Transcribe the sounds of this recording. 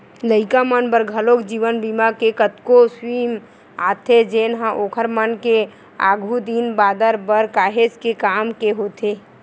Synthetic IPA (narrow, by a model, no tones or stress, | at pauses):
ləɪkamənbəɾɡʱəlokd͡ʒiʋənbimakekət̪koswim | a̰t̪ʰed͡ʒenɦãʔoːkʰəɾmənke | a̰ːɡʱud̪inbaːd̪əɾbəɾkaːɦed͡ʒkekamkeɦot̪ʰe